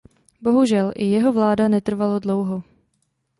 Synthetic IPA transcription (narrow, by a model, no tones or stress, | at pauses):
bo̞ɦuʒɛlʔɪjɛɦovlaːdanɛt̪r̩valodlo̞wɦo